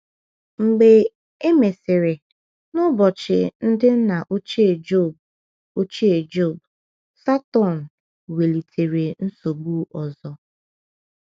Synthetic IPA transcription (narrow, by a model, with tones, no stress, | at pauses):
ŋ͡m̩˨ɡ͡be˨ | e˦me˨sɪ˨ɾe˨ | nʊ˦bɔ˨t͡ʃɪ˨n̩˦dɪ˦n̩˦na˨ʔo˦t͡ʃe˨d͡ʒo˦˨b̚ | o˦t͡ʃi˦e˨d͡ʒo˦˨b | sa˦tɔ˦˨n̩˨ | we˨li˨tʰe˨ɾe˨n̩˦so˨ɡ͡bu˦ɔ˨zɔ˨